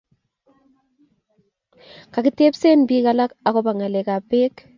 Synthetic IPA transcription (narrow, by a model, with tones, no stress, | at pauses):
ka˨ki˦te˦pse˦nbiː˦ka˨la˦ka˨ko˦pa˨ŋa˨le˨ka˨peː˦k